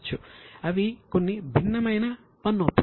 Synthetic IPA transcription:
t͡ʃːuɐʋiko̞nːibʱinːɐmɐjnɐ | pɐnːuɐpː

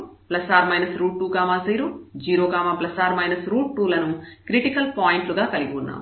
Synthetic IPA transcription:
plɐsaːɾmɐjnɐsɾuːʈːuːkaːmaːsɐjɾud͡ʒiːɾoːkaːmaːplɐsaːɾmɐjnɐsɾuːʈːuːlɐnukɾiʈikɐlpaːjiɳʈluɡaːkɐliɡiunːa̰ːmu

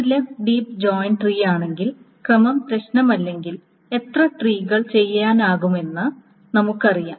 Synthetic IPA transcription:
ileɖiːpd͡ʑoːjɳʈriːjaːɳe̞ŋɡil | krɐmɐmpɾɐɕnɐmɐlːe̞ŋɡil | e̞t̪rɐʈriːɣɐɭt͡ɕe̞jːaːnaːɣume̞nːɨ | nɐmukːɨɐrija̰ː

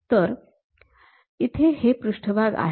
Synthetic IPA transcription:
t̪əɾ | it̪ʰehepɾuʂʈʰəbʱaɡa̰ɦ

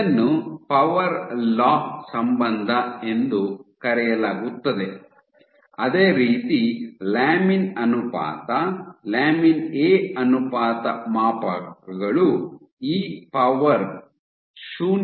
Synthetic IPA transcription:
nːupɐʋɐɾlaːhsɐmbɐnd̪ʱɐe̞nd̪ukɐɾɛjɐlaːɡut̪ːɐd̪e | ɐd̪e̞ːɾiːt̪ilaːminɐnupa̰ːt̪ɐlaːmineːɐnupaːt̪ɐmaːpɐɐɡɐɭu | iːpɐʋɐɾ | ʃuː

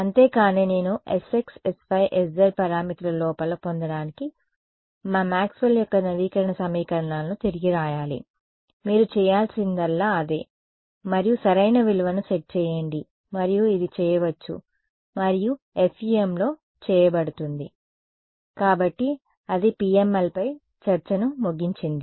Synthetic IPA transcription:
ɐnt̪e̞ːkaːnene̞ːnuʔeseksespʰɐjʔesdɐɾpɐɾaːmit̪ulɐlɔːpɐlɐpond̪ɐɽaːniki | maːmaːksʋɐljɔkːɐnɐʋiːkɐɾɐɳɐsɐmiːkɐɾɐɳaːlnut̪iɾiɡiɾaːjaːlḭ | miːɾut͡ʃɛːjaːlsind̪ɐlːaːɐd̪e̞ː | mɐɾijusɐɾɐjnɐʋiluʋɐnuseʈ̚t͡ʃɛːjeɳɖi | mɐɾijuid̪it͡ʃɛːjɐʋɐt͡ʃːṵ | mɐɾiju | efiemlo̞ː | t͡ʃɛːjɐbɐɽut̪und̪i | kaːbɐʈːi | ɐd̪ipiːemelpɐj | t͡ʃɐɾt͡ʃɐnumoɡiɲt͡ʃind̪i

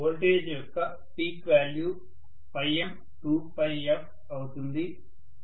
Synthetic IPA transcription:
oːlʈeːd͡ʒejkːɐ | piːkʋaːlju | pɐjɐm | ʈuːpɐjɐp̚ | ɐwut̪und̪i

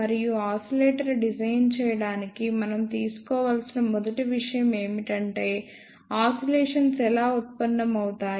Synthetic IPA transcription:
ɐɾijuaːsɐleːʈɐɾɖid͡ʒɐjnt͡ʃɛːjɐɽaːnikimɐnɐmt̪iːsu̥kɔːʋaːlsinɐmɔd̪ɐʈiʋiʂɐjɐme̞ːmiʈɐɳʈe̞ː | aːsɐleːʂɐnsɛlaːut̪̚pɐnɖɐmɐwut̪aː

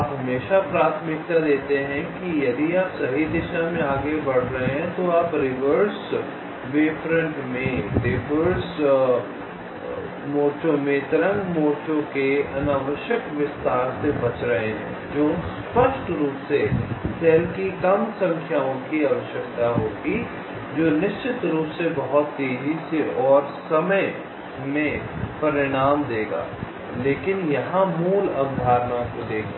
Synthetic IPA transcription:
aːpɦɐmeːʃapɾaːt̪ʰmɪk̚t̪ad̪eːt̪eɦɛ̃kijɐd̪iaːpsɐɦid̪ɪʃamẽaːɡebɐɽ̤ɾɐɦeɦɛ̃t̪oaːpɾɪʋəɾs | ʋeːfʰɾə̃ɳʈmẽɾɪʋəɾs | moːɾt͡ʃõmẽt̪ɪɾə̃ŋɡmoːɾt͡ʃõkeɐnaːʋəʃjəkʋɪst̪aːɾsebɐt͡ʃɾɐɦeɦɛ̰̃ | d͡ʒoːspəʃʈɾuːpsesʰɛːlkikɐmsɐ̃ŋkʰjaːõkiaːʋəʃjəkt̪aɦoːɡi | d͡ʒoːnɪʃt͡ʃɪt̪ɾuːpsebɐɦʊt̪ːeːd͡ʒisiʔɔːɾsɐməj | mẽpɐɾɪɽ̃aːmd̪eːɡa̰ː | leːkɪnjɐɦãmuːlɐnd̪ʱaːɾnakod̪eːkʰ

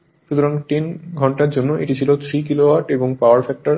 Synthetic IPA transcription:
ʃut̪ʰuɾaŋʈinɡʱɔɳʈaɾd͡ʑonːoʔiʈit͡ɕʰilot̪ʰɾikilowaɾʈeboŋpaaɾfɛk̚ʈaɾ

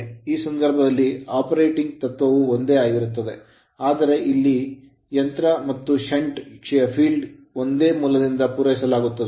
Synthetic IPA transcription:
iːsɐnd̪ʱɐɾbʱɐd̪ɐlːiaːpɐɾejʈiŋɡ̚t̪ɐt̪ʋɐʋuond̪e̞ːaːɡiɾut̪ːɐd̪e̞ | aːd̪ɐɾe̞ʔilːi | jɐnt̪ɾɐmɐt̪ːuʃɐɳʈkʂɛjɐpʰiːlɖ | o̞nd̪eːmuːlɐd̪ind̪ɐpuːɾɐjisɐlaːɡut̪ːɐe

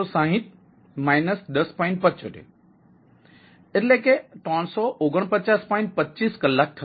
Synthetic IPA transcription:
ɔsãːɦɪ̃t̪̚ | maːɪnəsɗ̪əspɔɪ̃ɳʈ̚pətːt͡ʃoʈḛ | ɪt̪lekeʈɔːnsɔʔoːɡəɽ̃pət͡ʃaːspɔ̃ɪ̃ɳʈ̚pətːt͡ʃiːskəlːak̚t̪ʰ

